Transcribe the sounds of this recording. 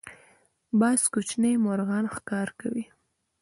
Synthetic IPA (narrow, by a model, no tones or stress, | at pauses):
bɑskut͡ʃnemʊɾɣɑnxkɑɾkawi